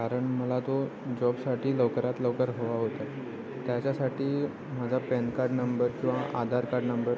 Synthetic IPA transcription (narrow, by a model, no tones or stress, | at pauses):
kaɾəɳməlat̪od͡ʑɔbsaʈʰiːləʋkəɾat̪ləwkəɾɦoʋaɦot̪a | t̪jat͡ɕasaʈiː | m̤ad͡zʱapɛnkaɾɖnəmbəɾkĩw̃ʋaʔad̪ʱaɾkaɾɖnəmbəɾ